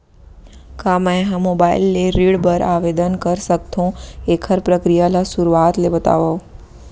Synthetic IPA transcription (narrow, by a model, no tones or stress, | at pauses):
kaməjɦãmobaḭlːeɾiɽbəɾaʋed̪ənkəɾsək̚t̪ʰõekʰəɾpɾəkɾijalasuɾuat̪lebət̪a̰ʋo